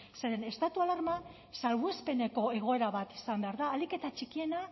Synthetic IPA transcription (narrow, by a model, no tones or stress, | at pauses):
se̞ɾe̞ne̞st̪at̪ualaɾma | salβue̞spe̞ne̞ko̞e̞ɣ̞o̞e̞ɾaβat̪isambe̞aɾðaːlike̞t̪at͡ʃikie̞na